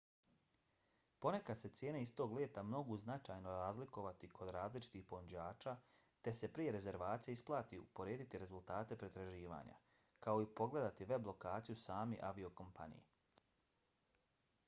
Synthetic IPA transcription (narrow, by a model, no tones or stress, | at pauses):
po̞ne̞kad̪se̞t̪sʲje̞ːne̞ist̪oːɡlʲjeːt̪amno̞ɡuznat͡ʃaːjno̞ɾaːzliko̞ʋat̪ikʰo̞d̪ɾaːzlit͡ʃi̥t̪ixpo̞nud͡ʑaːt͡ʃaː | t̪e̞se̞pɾije̞ɾe̞ze̞ɾʋaːt̪sijeisplˠaːt̪iṵpo̞ɾjeːd̪it̪iɾe̞zulˠt̪aːt̪e̞pɾet̪ɾaʒiːʋa̰ːɲa̰ | kao̞ipo̞ɡle̞d̪at̪iʋe̞blˠo̞kaːt̪sijusaːmiʔaʋio̞ko̞mpa̰nḭjḛ